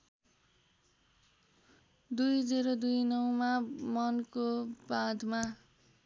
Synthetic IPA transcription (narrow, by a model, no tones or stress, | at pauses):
d̪ujd͡zeɾod̪ujnʌwmamʌnkobad̪ʱma